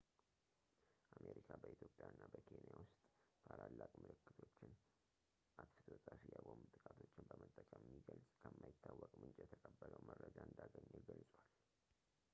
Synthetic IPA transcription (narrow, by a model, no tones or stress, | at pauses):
ʔamʔeɾikʰabəit̪jo̞pʼːjaɨnːabəkʰe̞njawʊst̪ʼt̪ʰalalːakʼmɨlɨkːɨt̪ʰo̞t͡ʃːɪn | ʔat̪fɨ̥t̪ʰwəsʼafijakʷʼomut̪ʼɨkʼat̪ʰo̞t͡ʃːɪnbəmət̪ʼːət͡ʃʼajɛmːiɡəlsʼkʰəmːajɪt̪ʰːawːɔkʼmɨnt͡ʃʼjɛt̪ʰəkʼəbːələwmərːəd͡ʒaɨnd̪aɡəɲːɨlɡəlsʼwal